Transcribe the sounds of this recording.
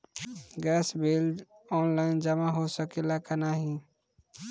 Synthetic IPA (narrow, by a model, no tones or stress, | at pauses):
ɡɛsbel | ɔnlaɪnd͡ʒəmaɦosəkelakanaɦĩ